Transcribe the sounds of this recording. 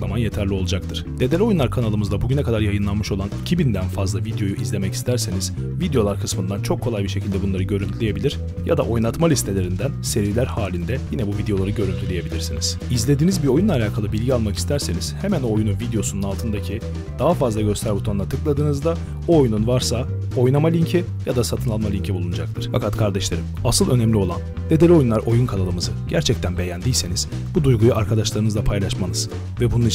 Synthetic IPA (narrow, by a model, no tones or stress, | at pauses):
lˠamanje̞t̪ʰæɾlʲio̞lˠud͡ʒak̚t̪ʰɯɾ̥ne̞d̪elʲio̞junlˠaɾkʰanalˠɯmɯzd̪abuɟynɛkad̪aɾjajɯnlˠanmɯʃo̞lˠanicʰibind̪ænfazlˠavid̪jo̞juʔizlʲe̞mɛci̥st̪ʰæɾse̞niz̥ | vid̪ejo̞lˠaɾkʰɯsmɯnd̪ant͡ʃʰo̞kʰːolˠajbiɾʃe̞cʰilʲd̪ɛbunlˠaɾɯɟø̞ɾynt̪ʰylʲeje̞bilʲiɾ̥ | ja̰d̪a̰ʔo̞jnˠat̪malʲist̪ʰe̞lʲe̞ɾind̪ænse̞ɾvilʲæɾhaːlʲind̪ɛjinɛbuvid̪ejo̞lˠaɾɯɟø̞ɾynt̪ʰylʲeje̞bilʲiɾsiniz̥ | izlʲe̞d̪iːnizbiɾo̞junlˠaːlʲaːkʰalˠɯbilʲɟialˠmaki̥st̪ʰæɾse̞niz̥hemænoːjunuvid̪ejo̞sununalˠt̪ʰɯnd̪acʰi | d̪̥aɦafazlˠaɟø̞st̪ʰæɾbut̪ʰond̪at̪ʰɯklˠad̪ɯːnɯzd̪a | oːjununvaɾsa | o̞jnamalʲiɲcʰɛ | jad̪asat̪ʰɯnlˠanmalʲiɲcʰibulˠunud͡ʒak̚lʰˠɯɾ̥fa̰kʰat̪kʰaɾd̪ɛʃlʲˠeɾɯmasɯlˠø̞nɛmlʲio̞lˠan | d̪e̞d̪eio̞junˠaɾʔo̞junkʰalˠalˠɯmɯzɯɟ̥æɾt͡ʃʰɛc̚t̪ʰænbe̞jænd̪ijlʲse̞niz̥ | bud̪ujɡujuaɾkʰad̪aʃlˠaɾɯnɯzˠapʰajlˠaʃmanɯz̥ | vɛbununi